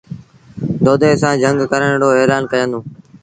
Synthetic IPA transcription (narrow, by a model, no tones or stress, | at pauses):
d̪oːd̪eːsãːd͡ʒʱəŋɡkəɾəɳɽoːeːlaːnkəjənd̪õː